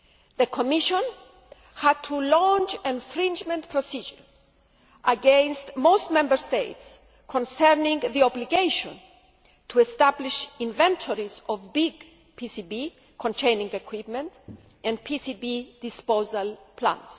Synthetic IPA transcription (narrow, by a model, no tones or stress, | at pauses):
ðəkʰomiʃõn | had̪̚t̪ʰulɔ̃nt͡ʃẽnfɾĩnd͡ʒmɛ̃nt̪pʰɾosid͡ʒəɹz̥ | ʔaɡẽnst̪most̪mɛ̃mbəɾst̪eɪt̪s | kʰɔ̃nsɛɹnĩŋðiɔbliɡejʃõ̰n | t̪ʰuest̪abliʃĩnvɛ̃nt̪ʰoɾizɔvbiɡ | pʰisibi | kʰõnt̪ʰẽjnĩŋɡekʰwipmɛ̃nt̪ | ʔɛ̃nd̪̚pʰisibid̪̥ispozalpʰlã̰ns